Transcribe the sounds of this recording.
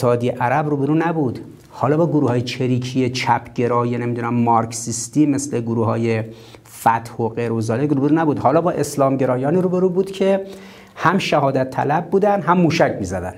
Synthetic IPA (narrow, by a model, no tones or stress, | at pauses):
hɒːd̪ijeʔæɾæbruːbeɾuːnæbuːd̪̥ | hɒːlɒːbɒːɡoɾuːhɒːjet͡ʃʰeɾiːkʰijet͡ʃʰæpʰɟe̞ɾɒːjene̞miːd̪uːnæmːɒɾksist̪iːmesle̞ɡoɾuːhɒːje | fæt̪hoɢeɾozɒːlekɾuːbeɾuːnæbuːd̪hɒːlɒːbɒːʔe̞slɒːmɟe̞ɾɒːjɒːniːɾuːbeɾuːbuːd̪̥cʰe̞ | hæmʃæɦɒːd̪æt̪ʰːæ̰læb̚ːuːd̪ænd̪ɦæmːuːʃæcʰmiːzæd̪æn